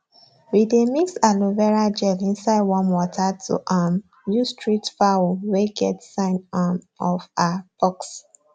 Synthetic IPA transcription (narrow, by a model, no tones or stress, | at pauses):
widemiksaluvɛɹad͡ʒɛlĩnsaɪdwɔ̃nwɔtʰatʰṵʔam | justɹitfawoweɡɛtsãɪ̃nam | ɔfab̥ɔks